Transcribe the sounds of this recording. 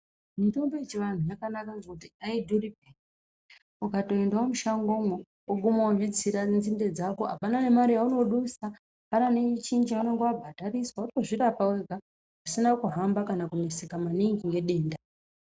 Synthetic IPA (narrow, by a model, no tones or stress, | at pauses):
mito̞mboet͡ʃiʋan̤ujakanakaŋakutiaidʱurip̚en | ukato̞endwamuʃaŋɡomo | uɡʱumawavid͡ziɾanzinde̞d͡zakoɦa̰pananemaɾijauno̞ɗusa | pananet͡ʃind͡ʒianoŋɡeabʱadʱariswauto̞ʐirapaweɡʱa | usinakuɦambakanakune̞se̞kamaniŋɡiŋɡe̞ɗe̞ːnda